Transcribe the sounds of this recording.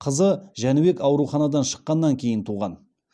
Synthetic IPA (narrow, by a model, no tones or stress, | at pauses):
qʰəzəʒænɪbe̞kɑwɾuχɑnɑd̪ɑnʃə̥qːɑnːɑŋkʲʰe̞jɪnt̪ʰuʁɑn